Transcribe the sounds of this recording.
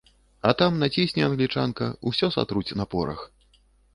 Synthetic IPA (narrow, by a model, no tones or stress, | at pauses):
ɐt̪amnat͡sʲisʲnʲɛanɣlʲit͡ʂankɐusʲɔsa̰t̪ɾut͡sʲnɐpɔɾɐ̰x